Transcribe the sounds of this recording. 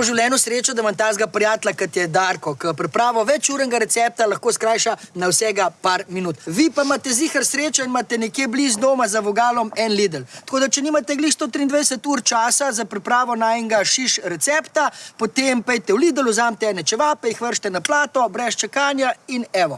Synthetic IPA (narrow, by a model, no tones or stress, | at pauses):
oʒiwljɛnusɾeːt͡ʃad̪ɐmant̪azɡapɾʲijaːt̪lakat̪jɛd̪aɾkɔkəpɾipɾaːʋɔʋɛt͡ʃuːɾɛŋɡaɾɛt̪sɛːp̚t̪alɐxkoːskɾaːjʃanawsɛːɡapaɾminuːt̪ʋipamaːt̪ɛziːxɐɾsɾeːt͡ʃainmat̪ɛnɛkjeblizd̪oːmazaʋɔɡaːlɔmɛnlid̪əlt̪koːd̪at͡ʃɛniːmat̪ɛɡlixst̪oːt̪ɾiːnd̪ʋɛjd̪ɛsət̪uːɾt͡ʃaːsazapɾipɾaːʋɔnaɛŋɡaʃiʃɾɛt̪sɛːpt̪apot̪empɛjt̪ɛwliːd̪əluzaːmt̪ɛɛnɛt͡ʃɛʋapɛixʋəɾʃt̪ɛnaplaːt̪ɔbɾɛst͡ʃɛkaːnjainɛʋɔ